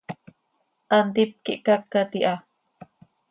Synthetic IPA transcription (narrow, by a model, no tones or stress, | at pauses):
ʔand̪ip̚kiʔkakːat̪iʔa